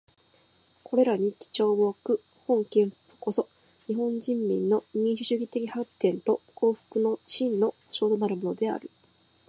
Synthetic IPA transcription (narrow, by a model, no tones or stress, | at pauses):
kʰo̞ɾe̞ɾaɲ̟ikʲi̥t͡ɕo̞ːβoːkɯ̟ | hõ̞ŋkẽ̞ɰ̃ɸɯ̥pːɯ̥ko̞so̞ | ɲ̟iɦõ̞ɲ̟d͡ʑĩmːʲḭ̃nːo̞ɲ̟ʲĩɰ̃ɕɨɕɨːɡʲit̪e̞kʲihat̪ːẽ̞nt̪o̞kʰo̞ːɸɯ̥kɯno̞ɕĩnːo̞hoɕo̞ːt̪o̞naɾɯ̟mo̞no̞d̪e̞a̰ɾɯ̟